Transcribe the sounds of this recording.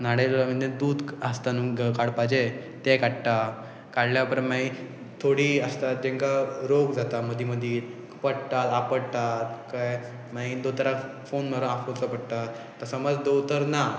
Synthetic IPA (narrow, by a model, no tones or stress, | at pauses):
naɽelaməd̪ʱjed̪uːd̪əst̪anũɡəkaɽpad͡ʑet̪ekaʈʈ̪a | kaɽljapəɾmaɦĩ | t̪ʰoɽiːəst̪at̪̚d͡ʑẽŋkaɾoɡd͡zat̪aməd̪ʱiməd̪ʱiːɾ | pəɽt̪at̪apəɽt̪at̪ka | maĩd̪ot̪əɾafonnəɾəafolt͡səpəɽt̪at̪ːəsəməd͡zd̪owt̪əɾna